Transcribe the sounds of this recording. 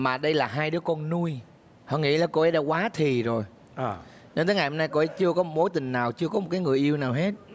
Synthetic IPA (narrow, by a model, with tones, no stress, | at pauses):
maː˨˩ɗə˧jlaː˨˩ɦaː˧jɗɨ˨˦əkɔ˧nnu˧j | hɔ̰˧˨ŋḭ˧˥laː˨˩ko˧ʔe˨˦ɗaː˧˥kwaː˨˦t̪ʰi˨˩zo˨˩j | ɗe˧nt̪əː˨˦ŋa˨˩jhɔə˧naː˧jko˧ʔe˧˦t͡ɕɨ˧əkɔ˨˦mo˨˦jt̪ï˨˩ŋ̟naː˨˩wt͡ɕɨ˧əkɔ˨˦m˨˩t̚kaː˨˦jŋɨ˨˩əjʔi˧əwnaː˨˩wɦe˦˥t̚